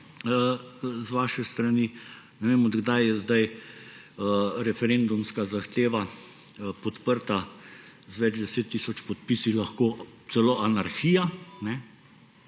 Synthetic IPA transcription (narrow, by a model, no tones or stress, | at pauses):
əzʋaːʃɛst̪ɾani | nɛʋeːmɔd̪ɡd̪ajjɛzd̪aj | ɾɛfɛɾend̪umskazaxt̪eːʋa | pɔt̪pəɾt̪azʋɛd͡ʒd̪ɛseːt̪ːisɔt͡ʃpɔt̪̚pisilaxkoːt̪sɛloʔanaɾxiːjanɛ